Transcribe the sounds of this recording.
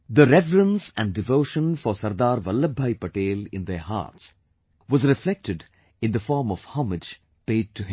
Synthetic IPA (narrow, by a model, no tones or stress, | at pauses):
d̪əɾɛvɾə̃nsæ̃ɳɖɖɪʋoːʃə̃nfɔɾsɐɾd̪aːɾʋʌlːəbʱːajpəʈeːlɪ̰̃nd̪eɾɦa̰ːɾʈs | ʋɔzɾɪflɛk̚ʈɪɖ | ɪ̃nd̪əfɔːɾmɔʋhʌmɪd͡ʒ | peːɖ̚ʈʰuɦɪ̃m